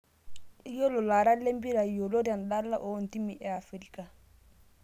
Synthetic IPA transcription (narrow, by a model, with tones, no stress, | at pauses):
i˦jo˦lo˨la˨ɾa˦le˦mbi˦ɾa˨i˨jo˨lo˦ɾa˨n˨ɗa˦lːa˦ʔo˨˦˨n˨ti˦mi˨ʔɛ˨a˨fɾi˦ka˨